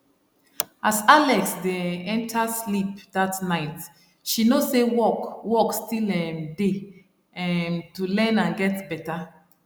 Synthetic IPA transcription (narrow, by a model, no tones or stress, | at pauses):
ʔazalɛksdeɛ̃ntʰaslip̚datnaɪt | ʃinosewɔkwɔkstilɛ̃mde | ɛmtulɛ̃nãnɡɛtbɛta